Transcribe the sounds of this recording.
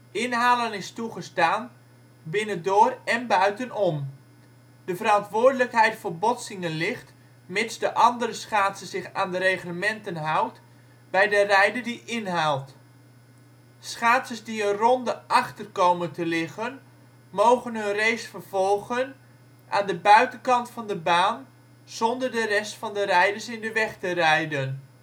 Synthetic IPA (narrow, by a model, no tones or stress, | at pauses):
ɪnɦaːlənɪstuχəstaːn | bɪnəndoːrɛnbœɥtənɔm | d̥əvəɾɑntʋʊːrdələkɦɛjtfəːbɔsɪŋənlɪχt | mɪtsdəʔɑndəɾəsχaːtsəz̥ɪχaːndərejχləmɛntənɦawt | bɛjdərɛjdədiʔɪnɦaːlˠt | sχaːtsəsdiənrɔndəʔɑχtərkowməntəlɪχən | mowχənɦɵnrejsfərv̥ɔlˠχən | ʔaːndəbœɥtənkɑntfɑndəbaːn | z̥ɔndərdərɛstfɑndərɛjdəɹsɪndəʋɛχtərɛjdən